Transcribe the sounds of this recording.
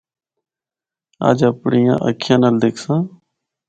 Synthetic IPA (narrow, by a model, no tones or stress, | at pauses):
a̰ːd͡ʒəpɳijã̰ːʔə̰kʰjãːnəːld̪eːkʰsãː